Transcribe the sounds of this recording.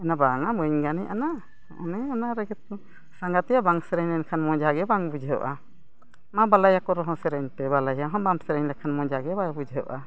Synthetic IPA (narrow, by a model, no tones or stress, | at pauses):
ɛnabaŋabəɲɡanɛʔana | ɔʔɔnɛanaɾɛɡɛt̪̚ɔ | saŋɡat̪ɛjabaŋsɛɾɛɲɛnkʰanmɔ̃d͡ʒaɡɛbaŋbud͡ʒʱeɔ̰ʔa | mabalajakɔɾɔɦɔ̃sɛɾɛɲtɛbalajaɦɔ̃baŋsɛɾɛɲlɛkʰanmɔd͡ʒaɡɛbajbud͡ʒʱeɔʔa